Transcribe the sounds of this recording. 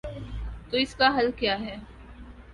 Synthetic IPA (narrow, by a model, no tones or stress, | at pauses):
t̪oɪskaɦɐlkjaːɦɛː